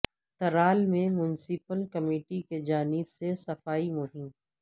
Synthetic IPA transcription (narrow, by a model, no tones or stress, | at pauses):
t̪ɐɾaːlmẽmʊnsɪpəlkɐmiːʈiked͡ʒaːnɪbsesɐfaːimʊɦɪm